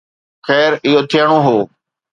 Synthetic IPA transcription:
xɛːɾɪɦoːt̪ʰɪjəɽ̃oːɦoː

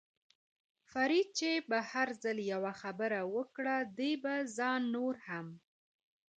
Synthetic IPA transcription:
faɾid̪̚t͡ʃebahaɾzaljawaxabəɾawəkɽad̪ejbazɑnːoɾham

